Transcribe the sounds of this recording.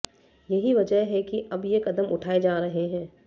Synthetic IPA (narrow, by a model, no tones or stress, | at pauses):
jɐɦiʋɐd͡ʒəɦɦɛkiʔɐbjekɐd̪əmʊʈʰaːed͡ʒaːɾɐɦeɦɛ̃ː